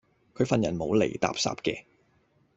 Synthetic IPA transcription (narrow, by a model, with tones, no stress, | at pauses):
kʰɵ˨˧ɥfɐ˨njɐ˨˩nmo˨˧wlḛ˨˩jt̪a̰ː˨psa̰ː˧˥p̚kɛ̰ː˧